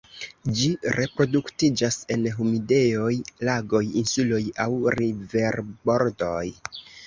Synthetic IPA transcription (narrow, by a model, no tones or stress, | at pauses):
d͡ʒiɾʔe̞pɾo̞duktid͡ʒase̞nɦumide̞jo̞jlaɡo̞jinsulo̞jawɾive̞ɾbo̞ɾdo̞j